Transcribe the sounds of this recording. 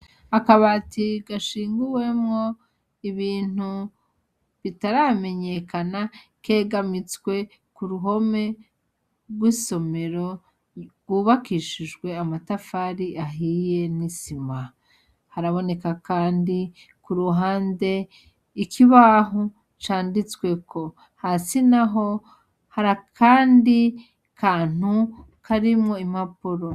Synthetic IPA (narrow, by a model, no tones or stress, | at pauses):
akaβaːtiɡaʃiːŋɡuwe̞mŋo̞ | iβiːn̥u | βitaɾame̞ɲe̞kana | ke̞ːɡamit͡skwe̞ | kuɾuɦo̞me̞ | ɾɡwiso̞me̞ɾo̞ | ɡwuːβakiʃid͡ʒɡwe̞amatafaːɾiʔaɦije̞nisima | haɾaβo̞ne̞kakaːndikuɾuɦaːnde̞ | ikʰiβaːɦu | t͡ʃaːndit͡swe̞kʰo̞ | hasinaɦo̞ | haɾakʰaːndi | kaːn̥u | kʰaɾimŋo̞imapuɾo